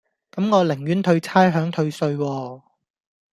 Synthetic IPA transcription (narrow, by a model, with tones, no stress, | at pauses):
kɐ˨˥mŋɔː˨˧lɪ˨˩ŋɥyː˨˥nt̪ʰɵ˧ɥt͡sʰaː˥jɦœː˨˥ŋt̪ʰɵ˧ɥsɵ˧ɥwɔː˧